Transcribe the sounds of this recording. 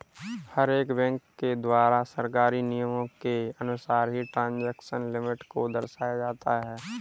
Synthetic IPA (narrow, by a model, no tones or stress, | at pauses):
həɾeːkbɛ̃ːŋkːed̪waːɾasəɾkaːɾinijəmõkeɐnʊsaːɾɦiʈɾãːnd͡ʒɛːkʃənlɪmɪʈkod̪ɐɾʃaːjad͡ʒaːt̪aɦɛː